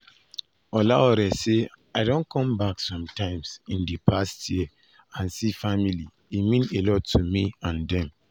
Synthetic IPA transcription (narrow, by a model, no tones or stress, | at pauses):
ɔlaɔɾɛseaɪdõnkʰɔ̃mbaksɔ̃mtãɪ̃msĩndipʰastjiə | ãnsifamili | imĩnelɔtʰːumiãndɛ̃m